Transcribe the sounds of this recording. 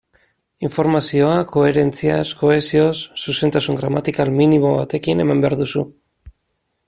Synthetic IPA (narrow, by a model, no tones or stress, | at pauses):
iɱfo̞ɾmasio̞ako̞e̞ɾe̞nt͡siasko̞e̞sio̞sːuse̞nt̪asuŋɡɾamat̪ikalminimo̞βat̪e̞kine̞mambeaɾðusu